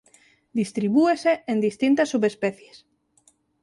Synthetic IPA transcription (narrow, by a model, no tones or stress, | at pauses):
d̪ist̪ɾiβueseend̪ist̪int̪asːuβespeθjes